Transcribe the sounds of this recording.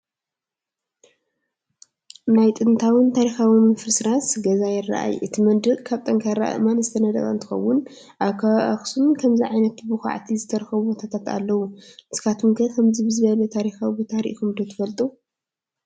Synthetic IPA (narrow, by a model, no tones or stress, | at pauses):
najt̪ʼɨnt̪ʰawɨnt̪ʰaɾixawimɨfɾɨsɾasɡɐzajɪrːa̰ʔa̰jʔɨt̪ʰimɐnd̪ɾɨkʼkʰaβt̪ʼɐŋkʰajɾa̰ʔa̰ɨmanɨst̪ʰɐnɐd̪ɐ̰kʼɐ̰ɨnt̪ʰɨ̥xɐ̰wːʊn | ʔaβkʰaʔɐxsumkʰɐmziʕajnɐt̪bɨxa̰ʕt̪ʰizɨt̪ʰɐɾɐxɐβubot̪ʰat̪ʰat̪a̰lːɐwunɨskʰat̪ʰumkʰɐkʰɐmzibɨzɨβɐlɐt̪ʰaɾixawbit̪ʰaɾḭʔxumd̪ot̪ʰɨ̥fɐlt̪ʼu